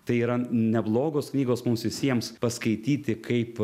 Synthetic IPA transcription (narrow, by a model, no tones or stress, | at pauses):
t̪ɐɪiːɾɐnʲɛblˠoːɡoːsknʲiːɡoːsmʊmsʋʲɪsʲiɛmspɐskɐɪt̪ʲiːt̪ʲɪkʰɐɪp